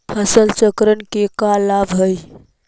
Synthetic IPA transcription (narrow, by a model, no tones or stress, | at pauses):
hʰəsəlt͡ʃəkɾənkekalabɦəj